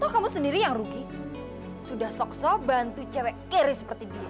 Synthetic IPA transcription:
t̪ɔhkamusəndiɾijaŋruɡi | sudahsɔksɔbant̪ut͡ʃɛwɛkeɾisə̥pərt̪idia

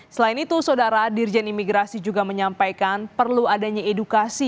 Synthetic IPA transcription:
səlainit̪usadaɾadird͡ʒɛnimiɡɾasid͡ʒuɡaməɲampajkanpərluadaɲaedukasi

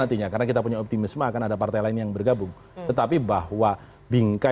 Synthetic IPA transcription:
ant̪iɲakaɾənakit̪apuɲaɔp̚t̪imɪsmakanadapart̪ajlaɪnjaŋbərɡabʊŋ | t̪ət̪apibahwa | biŋka

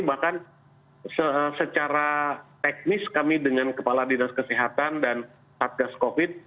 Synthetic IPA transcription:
bahkan | səsət͡ʃaɾat̪ɛk̚nɪskamidəŋankəpaladinaskəsiɦat̪andan | sat̪̚ɡaskofɪd̪̚

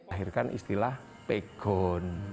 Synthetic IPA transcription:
ɦirkanʔḭst̪ilah | peɡ̥ɔn

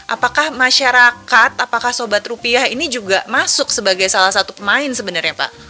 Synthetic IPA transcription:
ʔapakahmaʃaɾakat̪apakahsobat̪rupiahinid͡ʒuɡamasʊksəbaɡajsalahsat̪upəmaɪnsəbənarɲapa̰ʔ

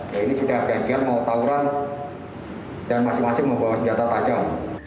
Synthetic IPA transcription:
jainisudahd͡ʒ̥aɲd͡ʒianmaut̪auɾan | d̥anmasɪmasɪhməmbawasəɲd͡ʒat̪at̪ad͡ʒaŋ

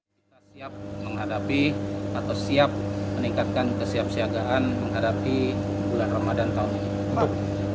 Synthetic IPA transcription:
kit̪asiap̚məŋɦadapiat̪awsiap̚məniŋkat̪̚kankəsiap̚siaɡaʔanməŋɦadapibulanramadant̪aunii | ma

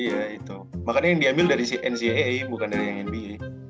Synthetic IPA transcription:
ijait̪u | makanɲajaŋdiambɪldaɾisiɛnsiɛibukandaɾijaŋɛnbi

